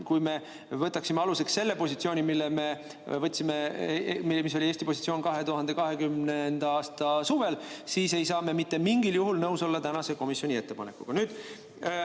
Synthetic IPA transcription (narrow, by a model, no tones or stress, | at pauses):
kujme̞ | vɤt̪ːˑɑksimeɑluse̞ksːe̞lːe̞po̞sit̪sio̞ːnʲimilːeme̞ | vɤt̪ʲːsime̞mimis̬o̞lʲieːst̪ipo̞s̬ʲit̪sioːnkɑɦe̞t̪uɦɑnd̪e̞kɑɦe̞kymnend̪̥ɑɑːst̪ɑsuːve̞lsiːse̞jsɑːme̞mit̪ːe̞miŋɡiljuɦulnɤwso̞lːɑt̪ænɑse̞ko̞misjo̞nʲie̞t̪ːepɑne̞̰kːˑuɡ̥ɑnyːd̪̥